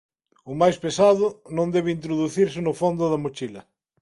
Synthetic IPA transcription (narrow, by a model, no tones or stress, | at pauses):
ʊmajspesaðʊnõnd̪ɛβ̞ɪint̪ɾoðuθiɾsɪnʊfond̪ʊðɐmot͡ʃilɐ